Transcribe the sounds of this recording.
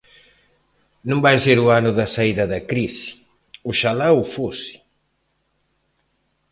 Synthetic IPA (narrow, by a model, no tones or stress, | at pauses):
nõmbajseɾuanʊðɐsaiðɐðɐkɾisi̥ | uʃalawufosi̥